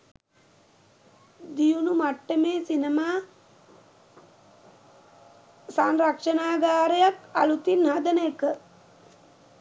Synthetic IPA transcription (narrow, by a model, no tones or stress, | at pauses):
d̪ijunumaʈːəmeːsinemaː | sanɾakʂɐnaːɡaːɾəjaka̰lut̪inɦad̪ənəjəkə